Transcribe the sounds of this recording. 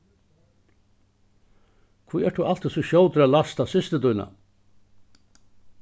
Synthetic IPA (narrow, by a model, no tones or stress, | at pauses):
kʰvujɛʈt̪ʰualt̪ɪsuɕoːwt̪ɾalast̪asɪst̪ɪt̪ujna̰